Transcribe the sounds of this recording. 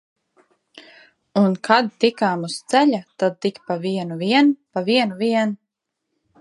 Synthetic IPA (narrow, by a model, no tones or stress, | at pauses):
unkad̪̚t̪ikaːmust̪sɛʎat̪ad̪̚t̪ikpaviɛnuviɛnpaviɛnuviɛn